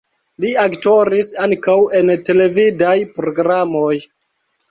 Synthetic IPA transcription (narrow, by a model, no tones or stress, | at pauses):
liakto̞ɾisaŋkawe̞nte̞le̞vidajpɾo̞ɡɾamoj